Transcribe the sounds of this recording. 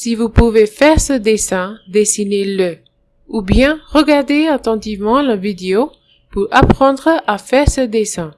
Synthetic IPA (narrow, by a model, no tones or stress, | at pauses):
sivupuvefɛʁsəd̪esɛ̃d̪esinelə | ubjɛ̃ʁəɡaʁd̪eat̪ɑ̃t̪ivmɑ̃ləvid̪eo | puʁapχɑ̃d̪ʁəʔafɛʁsəd̪esɛ̃